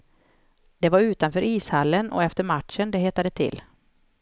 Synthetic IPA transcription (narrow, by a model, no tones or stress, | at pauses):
d̪̥ɛvaɾʉ̟ːt̪anfœːɾiːshalːənɔ̰ɛft̪əɾmaʈʂənd̪ɛheːt̪ad̪ət̪ʰɪ̰lː